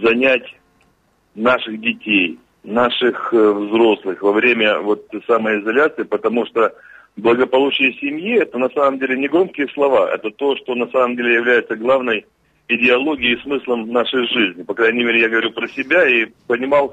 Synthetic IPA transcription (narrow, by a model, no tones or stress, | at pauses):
zɐnʲætʲ | naʂɨxdʲɪtʲej | naʂɨxvzɾo̞slˠɨxvɐvɾʲemʲəvo̞t̪saməjɪzɐlʲat̪sɨɪpət̪ɐmuʂt̪o | blˠəɡəpɐlˠut͡ɕɪjəsʲɪmjiɛt̪ənɐsaməmdʲelʲɪnʲɪɡɾomkʲɪjəslˠɐvaʔɛ̰t̪ət̪o̞ʂt̪o̞nɐsaməmdʲelʲɪjɪvlʲæjɪt̪səɡlˠavnəj | ɪdʲɪɐlˠo̞ɡʲɪjːsmɨslˠəmnaʂəjʐizʲnʲɪpɐkɾajnʲɪmʲeɾʲɪjaɡəvɐɾʲupɾəsʲɪbʲaipənʲɪmɑlˠ